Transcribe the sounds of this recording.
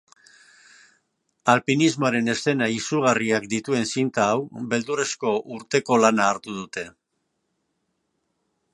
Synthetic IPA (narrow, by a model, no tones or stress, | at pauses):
alpinizmo̞aɾe̞ne̞st̪e̞naisuɣ̞ariakd̪it̪ue̞nsint̪aːwbe̞ld̪ure̞sko̞ʔuɾt̪e̞ko̞lanaːɾt̪uð̞ut̪e̞